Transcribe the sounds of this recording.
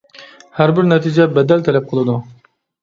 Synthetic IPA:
hæɾbɪɾnɛt̪ʰid͡ʒɛbɛd̪ɛlt̪ʰɛlɛp̚qʰəlˠɨd̪u

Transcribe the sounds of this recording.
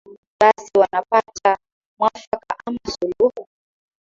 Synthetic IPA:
ɓasiwanapata | mwafakaʔamasuluhu

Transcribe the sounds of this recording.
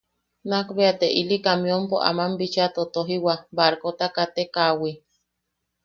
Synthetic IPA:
nakbeat̪eʔilikamĩompoʔa̰mambit͡ʃat̪ot̪oɦiwabaɾkot̪akat̪ekawi

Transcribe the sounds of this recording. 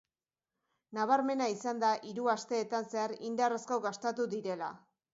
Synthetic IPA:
naβ̞aɾme̞naisand̪aʔiɾuast̪e̞ːt̪anse̞aɾind̪araskoɣast̪at̪ud̪iɾe̞la̰

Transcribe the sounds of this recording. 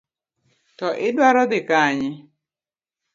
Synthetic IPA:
tɔʔɪdwaɾɔd̪ɪkaɲɪ

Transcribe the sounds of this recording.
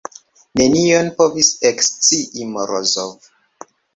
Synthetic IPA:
nenionpovisekst͡siimoɾozov

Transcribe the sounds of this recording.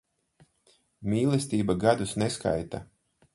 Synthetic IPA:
mʲiːlˠɛst̪iːbaɡad̪usneska̰jt̪a̰

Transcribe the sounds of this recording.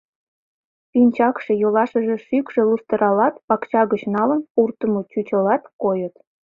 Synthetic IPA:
pinʲt͡ɕɑkʃe̽jolɑʃəʒĕʃykʃĕlust̪əɾʔɑlɑt̪pɑkt͡ɕɑɣət͡ɕnɑlə̆npurt̪əmot͡ɕut͡ɕə̆lɑt̪kojə̆t̪

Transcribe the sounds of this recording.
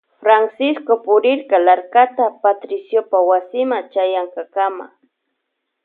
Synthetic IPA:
fɾansɪskopʊɾɪɾkalaɾkat̪apat̪ɾɪsjopawasɪmat͡ʃajaŋkakama̰

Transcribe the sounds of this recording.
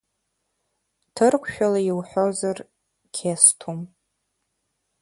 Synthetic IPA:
tʰɨrkʷʰʃᶣalaiwħʷozar | kʲʰestʰum

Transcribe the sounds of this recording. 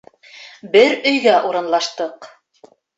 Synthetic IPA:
bɘɾɵ̆jɡæʔuɾɤ̆nlˠɑʃt̪ɤq

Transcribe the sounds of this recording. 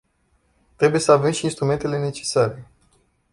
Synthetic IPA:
t̪ɾe̞buje̞səave̞mʃiːnst̪ɾume̞nt̪e̞le̞ne̞t͡ʃe̞̥saɾe̞

